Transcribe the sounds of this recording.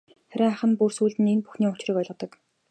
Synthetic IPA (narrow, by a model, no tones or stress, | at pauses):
χæɾʲɪ̆ːŋaχə̆npursuːɮt̪ɘ̆nenpuxniːʊt͡ɕrĭkɔɮʁ̆t̪ɞ̆k